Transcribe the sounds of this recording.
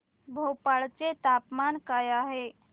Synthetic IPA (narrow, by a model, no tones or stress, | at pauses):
bʱopaɭt͡set̪apmankajaɦe